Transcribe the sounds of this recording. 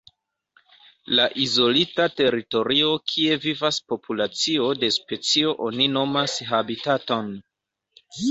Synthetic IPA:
laʔizo̞litate̞ɾito̞ɾio̞kʰie̞vivaspo̞pʰulat͡sio̞de̞spe̞t͡sio̞ʔo̞nino̞masɦabitato̞n

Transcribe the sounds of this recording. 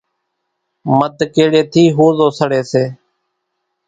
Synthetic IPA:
məd̪keːɽeːt̪ʰiːɦoːzoːsəɽeːseː

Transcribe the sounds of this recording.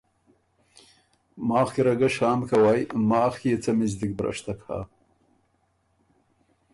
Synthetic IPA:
maːχkʲiɾɐɡɐʂaːmkʰɐwajmaːχkʲiit͡sɐmizd̪ik̚bɾɐ̰ʂt̪ʰɐkʰa̰ː

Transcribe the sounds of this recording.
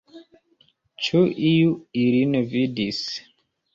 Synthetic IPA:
t͡ʃuʔijuilinevidis

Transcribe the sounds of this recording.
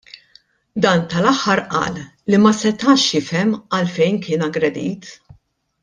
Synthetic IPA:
d̪ɐːnt̪ɐlɐħːɐɾʔɐ̰ːlː | imɐsɛt̪ɐːʃjɪfɛmɐlfɛjnkɪːnɐɡɾɛd̪ḭːt̪

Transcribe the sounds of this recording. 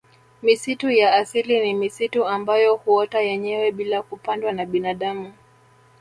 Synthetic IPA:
misitujaːsilinimisituambajɔhuɔtajɛɲɛwɛɓilakupandwanaɓinaɗamu

